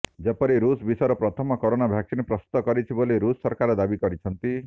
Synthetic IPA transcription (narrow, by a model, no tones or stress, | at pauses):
d͡ʒepɔɾiɾusbisɔɾɔpɾɔt̪ʰɔmɔkoɾonabʱjaksinepɾɔst̪u̥t̪ːɔkɔɾit͡ʃʰiboliɾusːɔɾkaɾed̪abikɔɾit͡ʃʰɔnt̪i